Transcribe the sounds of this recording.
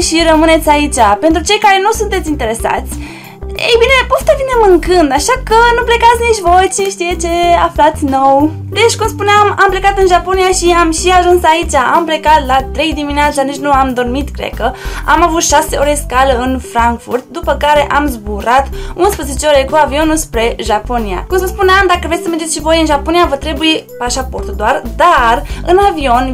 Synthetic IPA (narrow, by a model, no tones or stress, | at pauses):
ʃiɾəmɨne̞t̪sʲait͡ʃʲape̞nt̪ɾut͡ʃe̞jkaɾe̞nusunt̪et̪sʲint̪e̞ɾe̞sa̰t̪sʲ | ḛjbine̞post̪əvine̞mɨŋkɨnd̪aʃakənuple̞kat̪sʲniʃʲvo̞jt͡ʃiʃt̪ijet͡ʃe̞aflat̪sʲno̞w | d̪e̞t͡ʃʲkumspuneamample̞kat̪ɨnʒapo̞nijaʃiamʃiaʒunsait͡ʃaamplekat̪lat̪ɾe̞jd̪imineat̪sanit͡ʃnuamd̪o̞rmit̪kɾḛkəa̰mavut̪ʃaseoɾeskaləɨnfɾaŋkfṵrt̪̚d̪upəkaɾe̞ʔamzbuɾat̪unspɾəzet͡ʃeoɾekuavio̞nuspɾe̞ʒaponija̰kumsəspuneamd̪akəvɾesəmerd͡ʒeʃivojɨnʒapo̞nijavət̪ɾe̞bujepaʃapo̞rt̪ud̪oard̪arɨ̰navio̞n